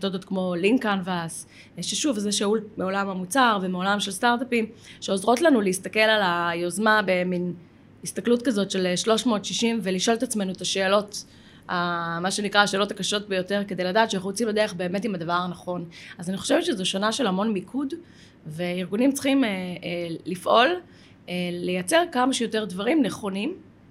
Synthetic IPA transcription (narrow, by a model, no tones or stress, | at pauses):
todotkmo̞liŋkanvas | ʃeʃuvzeʃaulmeo̞lamamut͡saʁvemeo̞lamʃelstaʁtapimʃeozʁo̞tlanuleist̪ake̞lalajo̞zmabemin | ist̪aklutkazo̞tʃe̞lʃlo̞ʃmo̞ːtʃiʃimveliʃo̞let̪at͡sme̞nuetaʃe̞ːlo̞t | amaʃenikʁaːʃe̞ːlotakaʃo̞t̚bejo̞te̞ʁke̞d̪ejladaːtʃeχut͡simlad̪eʁeχbeːme̞timadavaʁanaχo̞nazaniχo̞ʃe̞vett͡ʃezoʃonaʃe̞lhamo̞nmikʰud | ve̞iʁɡunimt͡sχimelːifʔo̞l | elejat͡se̞ʁkamaʃejo̞te̞ʁdvaʁimneχo̞nim